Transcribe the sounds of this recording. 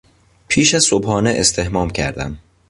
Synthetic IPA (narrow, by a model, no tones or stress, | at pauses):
pʰiːʃæz̥sobhɒːneʔest̪ʰe̞hmɒːmcʰæ̰ɾd̪æ̰m